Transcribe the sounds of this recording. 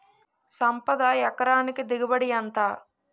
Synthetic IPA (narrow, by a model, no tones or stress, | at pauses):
sɐmpɐd̪ɐjɐkɐɾaːnikid̪iɡɐbɐɽijɐnt̪aː